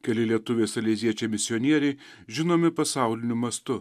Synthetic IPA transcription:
kʲɛlʲɪlʲiɛt̪ʊʋʲeːsɐlʲɛɪzʲiɛt͡ʃʲɛmʲɪsʲɪonʲiɛɾʲɛɪ | ʒʲɪnoːmʲɪpɐsɑˑʊlʲɪnʲʊmɐst̪ʊ

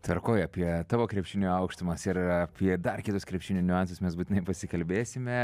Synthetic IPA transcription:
t̪ɐɾkoːjɐːpʲiɛt̪ɑːʋoːkɾʲɛpʲʃʲɪːnʲuɐʊkʃt̪ʊmɐsɪɾɐpʲiɛd̪ɐrkʲɪt̪ʊskɾʲɛpʲʃʲt͡ʃʲɪnʲuːnʲʊɑnsʊsmʲɛs̬but̪ʲɪnɐɪpɐsʲɪkɐlʲbʲeːsʲɪmʲɛ

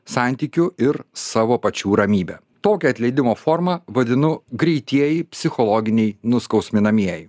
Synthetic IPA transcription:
sɑˑnʲt̪ʲiːkʲʊɪɾsɑːʋoːpɐt͡ʃʲuːɾɐmʲiːbʲɛ | t̪oːkʲɛɐt̪ʲlʲɛɪd̪ʲɪmoːfoːɾmɐʋɐd̪ʲɪnʊɡɾʲɛɪt̪ʲiɛjɪpʲsʲɪxɔlˠɔɡʲɪnʲɛɪnʊskɒʊsʲmʲɪnɐmʲiɛjɪ

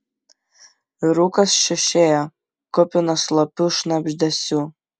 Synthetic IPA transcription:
iɾukʼasʃɪʃeja | kʰɔpʲʼʊnaslapʰʲɨʂnabʒd̪asʲu

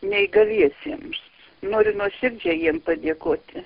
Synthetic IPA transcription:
nʲɛɪɡɐlʲiɛsʲiɛms | noːɾʲʊnuɔsʲɪrʲd͡ʒʲɛjiɛmpɐd̪ʲeɛkoːt̪ʲɪ

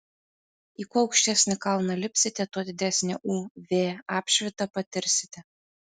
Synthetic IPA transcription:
iːkuːɒʊkʃʲt̪ʲæsʲnʲɛkɐlˠnɐlʲɪpʲsʲɪt̪ʲɛt̪oɔd̪ʲɪd̪ʲæsʲnʲḛʔuːʋʲeːɑːpʲʃʲʋʲɪt̪ɐpɐt̪ʲɪɾʲsʲɪ̥t̪ʲɛ

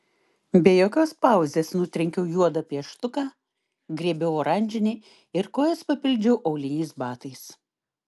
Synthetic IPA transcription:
bʲeːjoːkʲoːspɑˑʊzʲeːsnʊt̪ʲɾʲɛŋʲkʲɛʊjuɔd̪ɐpʲiɛʃt̪ʊkɑː | ɡɾʲiɛbʲɛʊoːɾɐnʲd͡ʒʲɪnʲɛː | ɪɾkoːjɛspɐpʲɪlʲd͡ʒʲɛʊʔɐʊlʲɪnʲɛɪsbɑːt̪ɐɪs

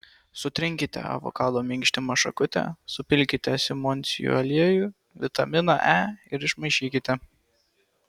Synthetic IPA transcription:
sʊt̪ʲɾʲɪŋʲkʲɪt̪ʲɛ̰ɐ̰ʋɔ̰kɑːd̪ˠomʲɪŋʲkʲʃʲt̪ʲɪmɐʃɐ̰kʊt̪ʲɛ̰sʊpʲɪlʲkʲɪt̪ʲɛsʲɪmɔnʲt̪sʲɪ̰jṵɐlʲiɛjuː | ʋʲɪt̪ɐmʲɪnɑʔæːɪɾɪʃmɐɪʃʲiːkʲɪt̪ʲɛ

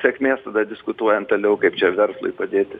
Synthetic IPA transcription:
sʲɛkʲmʲeːst̪ɐd̪ɐd̪ʲɪskʊt̪uɔjɛnt̪ɐːlʲɛʊkɐɪpt͡ʃʲɛʋʲɛrslˠʊ̰ɪpɐd̪ʲeːt̪ʲɪ

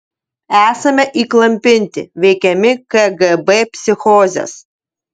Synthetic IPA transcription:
æːsɐmʲɛʔiːklˠɐmʲpʲɪnʲt̪ʲɪ̰ʋʲɛɪkʲɛmʲɪkɐɡɛbɛpʲsʲɪxɔːzʲɛ̰s

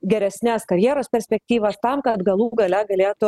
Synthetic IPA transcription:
ɡʲɛɾʲɛsʲnʲæːskɐɾʲjiɛɾoːspʲɛɾʲsʲpʲɛk̚ʲt̪ʲiːʋɐst̪ɑmkɐt̪ɡɐlˠuːɡɐlʲɛɡɐlʲeːt̪ʊ

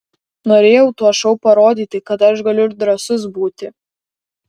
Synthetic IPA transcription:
noːɾʲeːjɛʊt̪uɔʃɐʊpɐɾoːd̪ʲiːt̪ʲɪkɐt̪ɐʃɡɐlʲʊɪɾd̪ɾɐsʊs̬buːt̪ʲɪ

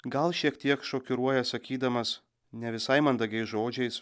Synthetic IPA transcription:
ɡɐlˠʃʲiɛkt̪ʲiɛkʃoːkʲʊɾuɔjɛsɐkʲiːd̪ɐmɐs | nʲɛʋʲɪsɐɪmɐnd̪ɐɡʲɛɪsʒoːd͡ʒʲɛɪs

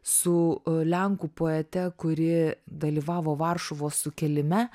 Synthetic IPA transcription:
sʊlʲɛŋkuːpoːɛt̪ʲɛkʊɾʲɪd̪ɐlʲiːʋɑːʋoːʋɐrʃoʋoːssʊkʲɛlʲɪmʲɛ

